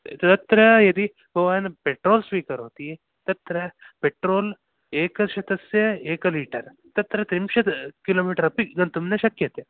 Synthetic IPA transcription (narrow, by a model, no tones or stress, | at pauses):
t̪t̪ɐt̪ɾɐjɐd̪i | bʱɐʋaːjɐnɐpeʈɾoːlsʋiːkɐɾɦoːt̪i | t̪ɐt̪ɾɐ | peʈɾoːl | eːkɐʃɐt̪ɐsjɐeːkɐliːʈɐɾ | t̪ɐt̪ɾɐt̪ɾimʃɐkiloːmiːʈɐɾɐpiɡɐnt̪umnɐʃɐkjɐt̪e